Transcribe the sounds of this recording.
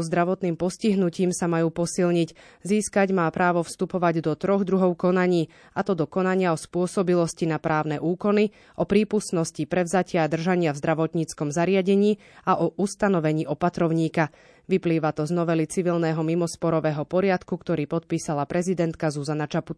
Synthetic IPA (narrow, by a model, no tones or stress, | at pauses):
zd̪ɾaʋɔt̪niːmpɔsciɦnuciːmsamajuːpɔsilɲic | ziːskaɟmaːpɾaːʋɔfst̪upɔʋaɟd̪ɔt̪ɾɔɣd̪ɾuɦɔʊkɔnaɲiː | at̪ɔd̪ɔkɔnaɲɪaɔspʊɔsɔbilɔscinapɾʔaːʊnɛʔuːkɔni | ʔɔpɾiːpusnɔscipɾɛʊzacɪaad̪r̩ʒaɲɪavzd̪ɾaʋɔt̪ɲit͡skɔmzaɾɪaɟɛɲiː | aʔɔʔust̪anɔʋɛɲiːʔɔpat̪ɾɔʊɲiːka | ʋipliːʋat̪ɔznɔʋɛlit͡siʋilnɛːɦɔmimɔspɔɾɔʋɛːɦɔpɔɾɪat̪kukt̪ɔɾiːpɔt̪̚piːsalapɾɛzid̪ɛnt̪kazuzanat͡ʃapu̥t̪